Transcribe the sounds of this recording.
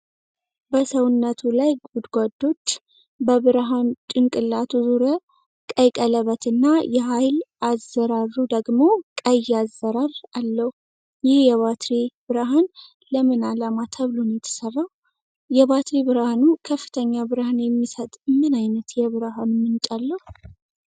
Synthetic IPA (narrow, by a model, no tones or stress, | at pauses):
bəsəwnːət̪ʰulajɡud̪ɡʷad̪ːo̞t͡ʃː | bəβɨɾɦant͡ʃʼɨŋkʼɨlːat̪ʰuzuɾə | kʼəjkʼələβət̪ʰɨnːajɛɦajlazːəɾarːud̪əɡmo̞kʼəjazːəɾaralːəhu | jɪhjɛβat̪ʰɾibɨɾəɦan | ləmɨnalamat̪ʰəβlonjɛt̪ʰə̥sərːah | jɛβat̪ɾiβɨɾhanukʰəfːɨ̥t̪ʰəɲːabɨɾhanjɛmːisət̪ʼmːɨnajnət̪jɛβɨɾɦanmɨnt͡ʃʼalːəhu